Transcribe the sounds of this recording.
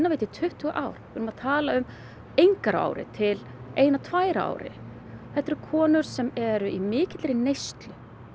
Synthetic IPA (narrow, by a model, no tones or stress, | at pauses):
nːavejt̪ɪt̪ʰʏht̪ʏɣaʔaːwɾ̥vɪːɾʏmaðt̪ʰaːlaʏm | ejŋkaɾa̰ːwɾɪ̰t̪ʰɪl | eːjnat̪ʰvaːjɾaa̰ːwɾɪ̰ | θɛht̪ːɛɾʏkʰɔːnʏɾ̥sɛmɛɾʏimɪːcɪt̪lɛːɾɪnejst̪lʏ